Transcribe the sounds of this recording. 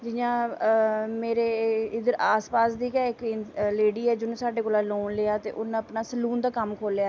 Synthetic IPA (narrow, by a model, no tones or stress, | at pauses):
d͡ʒɪjãː | meːɾeːɪd̪əɾaːspaːsd̪iːkɛːɪkɪleːɽiːɛːd͡ʒʊñːsaːɖeːkoːlãːloːnleaːt̪ḛːʔʊnãəpnaːsəluːnd̪aːkəmkʰoːlejaːɛ